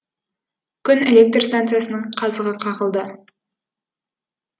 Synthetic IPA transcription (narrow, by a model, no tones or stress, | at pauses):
kʲʰʏne̞lʲek̚t̪rst̪ant̪sɨjasənəɴqʰɑzəʁəqʰɑʁəlˠd̪ə